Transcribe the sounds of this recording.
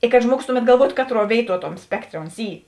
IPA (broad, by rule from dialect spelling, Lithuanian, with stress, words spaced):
ɪ kɐt ˈʒmuɔɡʊs ˈtʊˌmʲɛt ɡɐlˠˈʋuɔtʊ ˈkɑːtˌruɔ ˈʋʲeːɪˌtuɔ ˈtoːm ˈsʲpʲæːkˌtʲrʲeː oːns ˈiː